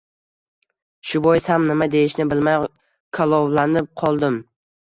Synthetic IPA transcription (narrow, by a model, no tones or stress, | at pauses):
ʃʊbɒjɪshamnɪmad̪e̞jɪʃnɪbɪlmaj | kʰalˠɒwlanɪp̚qʰɒlˠd̪ɪm